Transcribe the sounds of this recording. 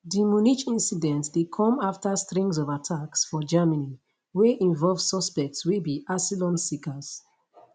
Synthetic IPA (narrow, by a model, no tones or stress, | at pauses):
dimuniʃĩnsidɛ̃ntdekʰɔ̃maftəstɹĩŋzɔvatʰaksfɔd͡ʒamani | weʔĩɱvɔlv̥sɔspɛk̚tswibiʔasilɔ̃nsikəz̥